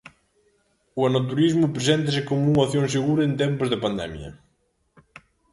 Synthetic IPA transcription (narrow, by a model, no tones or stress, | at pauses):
uanot̪uɾizmʊpɾesɛnt̪ɐsɪkomʊuŋaθjoŋseɣuɾɐent̪ɛmpʊzðepand̪ɛ̰mjɐ̰